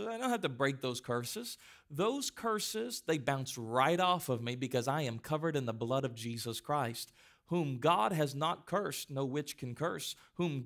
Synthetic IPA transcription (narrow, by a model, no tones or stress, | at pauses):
aɪdõʊ̃nhaftɨbɹeɪk̚ðoʊz̥kʰɜ˞sɨz̥ | ðoʊz̥kʰɜ˞sɪzðeɪbãʊ̃nsɹaɪɾɔfʌvmibɨkʌzaɪɨ̃mkʰʌvə˞ɾɨ̃nðəblʌɾʌvd͡ʒizəskʰɹ̥aɪst̚ | hũmɡɑd̚ɨznət̚kʰɜ˞snoʊwɪt͡ʃkʰɨ̃n̩kʰɜ˞shũm